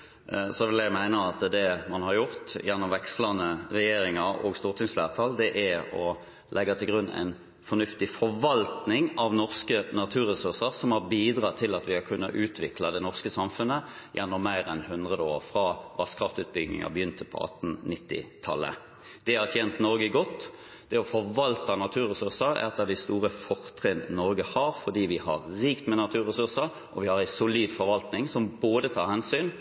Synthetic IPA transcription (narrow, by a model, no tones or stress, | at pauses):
sɔʋɪlæɡmæɪnəɑt̪d̪ɛmɑnhɑʁjʊʁt̪jɛnːɔmʋɛkslɑnəʁɛjeːɾɪŋɑɾo̰ɡst̪uːʁt̪ʰɪŋsflæːʁt̪ʰɑld̪ɛʔæɔ | lʔɛɡːɑt̪ʰɪlɡʁʉnːæ̰ɪn | fɔnʉft̪ɪfɔʁʋɑlt̪nɪŋɑʋnɔʁskənɑt̪ʰʉːʁəsʉʁsəʁsɔmhɑʁbiːd̪ʁɑːt̪ʰɪlɑt̪ʋɪhɑkʰʉnːɑʔʉːt̪ʰʋɪkʰlɑd̪ɛnɔʁskəsɑmfʉnə | jʔɛnːɔmːæɪɾɛnhʉnd̪ʁəd̪əo̰ːɾfɾɑːʋɑskʰɾɑft̪ʉːt̪̚bʏɡnɪ̰ŋɑ̰bəjʏnt̪əpʰɔ̰ɑ̰t̪n̩nɪt̪ːɪ̰t̪ʰɑlːə̰ | d̪̥ɛhɑʁt̪ʰjɛːnt̪nɔɾɡəɡɔt̪ː | d̪̥ɛɔfɔʋɑlt̪ɑnɑt̪ʰʉːɾɛsʉʁsəɾɛ̰t̪ːəd̪æɪst̪uːʁəfɔʁt̪ʰʁɛnnɔɾɡəhɑɾfɔd̪iːʋɪhɑ̰ʁɾiːkt̪mɛnɑt̪ʰʉːʁɛsʉʁsəɾ | ʔɔʋɪhɑʁæɪsʊliːd̪fɔɾʋɑlt̪nɪŋsɔmboːd̪ət̪ʰɑːɾhɛnsyːn